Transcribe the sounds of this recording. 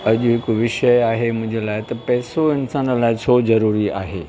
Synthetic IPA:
ɐʄʊɦɪkʋɪʃəjaːɦemʊ̃ɦɪ̃ɲd͡ʑelaːɪt̪ɐpɛːsoɪnsaːnəlaːɪt͡ɕʰoːzɐɾuːɾia̰ːɦḛː

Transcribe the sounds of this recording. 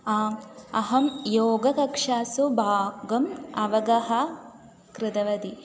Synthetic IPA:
aːɐɦɐmjoːɡɐkɐkʂaːsubʱaːɡɐmɐʋɐɡɐɦɐ | kɾɪd̪ɐʋɐd̪i

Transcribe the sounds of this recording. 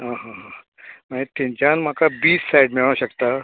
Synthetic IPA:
ɦãɦãɦã | mait̪ːĩɲt͡ɕanm̤akabiːsːajɽmiɭ̃aɕəkt̪a

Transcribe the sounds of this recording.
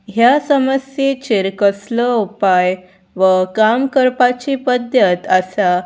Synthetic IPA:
ɦjasəməsjet͡ɕiɾkəsləupaj | ʋəkamkəɾpat͡ɕipəd̪ʱjət̪əsa

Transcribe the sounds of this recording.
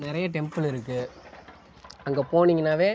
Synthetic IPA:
nɪɾɐjɐʈɛmpɯlɪɾɯkːɯ | ɐŋɡeːpoːɳiŋɡɐnːaːʋeː

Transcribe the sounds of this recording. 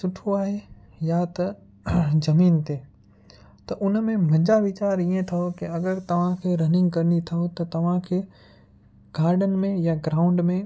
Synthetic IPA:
sʊʈʰoaːɦe | jat̪ɐ | zɐmiːnt̪ʰeː | t̪ɐʔʊnmẽm̤ɐ̃ɲd͡ʑaʋɪt͡ɕaːɾiẽt̪ʰɐɦokiɐɡəɾt̪ɐʋ̤ãkʰeːɾɐnɪ̃ŋɡkɐɾɪnit̪ʰɐɦot̪ɐt̪ɐʋ̤ãkʰeː | ɡaːɾɖənmẽjaɡɾaːʊ̃ɳɖmẽ

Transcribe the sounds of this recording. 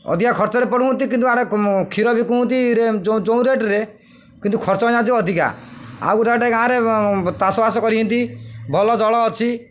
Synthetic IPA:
ɔ̰d̪ʱikakʰɔɾt͡ʃɔɾepɔɽ̤uɦunt̪ikint̪uaɽekʰiɾɔbikuɦũnt̪iɾed͡ʒɔ̃d͡ʒɔũɾeʈɾe | kint̪ukʰɔɾt͡ʃɔjãd͡ʒiɔd̪ʱika̰a̰uɾeʈeɡaãɾet̪asɔbasɔkɔɾiɦɔnt̪ibʱɔlɔd͡ʒɔɭɔːt͡ʃʰi

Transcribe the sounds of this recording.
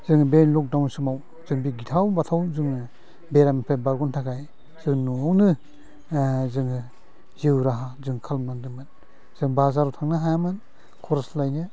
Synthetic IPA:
zɯŋbenlɔk̚dawnsɯmaw | zɯŋbiɡitʰawbatʰawzɯŋ | beɾamipʰebaɾɡuntʰakʰaj | z̥ɯŋnuawnɯ | zɯŋɯ | ziwɾaɦazɯŋkʰalmnaŋdɯmɯn | z̥ɯŋbazaɾutʰaŋnɯɦajamɯn | kʰɔɾslajnɯ

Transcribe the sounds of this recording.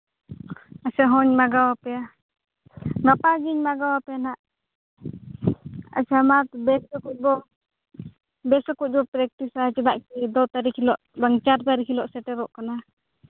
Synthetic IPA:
asɛɦɔɲmaɡawapɛja | ŋapaɡiɲmaɡawapɛnaʔ | a̰t͡ʃamat̪̚bɛsɔkut̚bɔ | bɛsɔkuc̪̚bɔpɾɛk̚ʈisat͡ʃɛd̪aʔkid̪ɔt̪aɾikʰilɔʔbaŋt͡ʃaɾt̪aɾikʰilɔʔsɛʈɛɾɔʔkana

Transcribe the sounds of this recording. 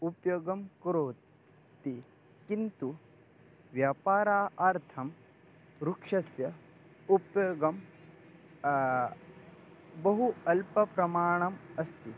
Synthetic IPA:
upjoːɡɐmkɾoː | t̪i | kint̪u | ʋjaːpaːɾaːʔaːɾt̪ʰɐm | ɾukʂɐsjɐ | upjoɡɐm | bɐɦuɐlpɐpɾɐmaːɳ̃ɐmɐst̪i

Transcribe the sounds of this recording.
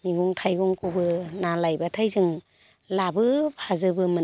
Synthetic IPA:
miɡuŋtʰajɡuŋkʰubɯnalajbatʰajzɯŋ | labɯpʰazɯbɯmɯ

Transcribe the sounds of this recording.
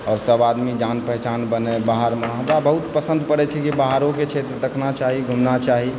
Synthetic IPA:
ɔːɾsəbad̪mid͡ʒanpɛɦt͡ʃanbənebaɦəɾməɦd̪abəɦut̪pəsə̃nd̪pəɾɛt͡ʃʰɛkibaɦaɾõket͡ʃʰet̪ɾəd̪əkʰnat͡ʃaɦiɡʱumnat͡ʃaɦi

